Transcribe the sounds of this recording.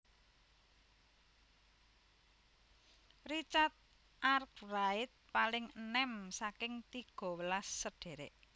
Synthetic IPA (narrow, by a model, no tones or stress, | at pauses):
rit͡ʃat̪̚ | ʔark̚raɪt̪̚palɪŋənɛmsakɪŋt̪iɡ̥ɔ̤wəlasːəɖ̥e̤ɾeʔ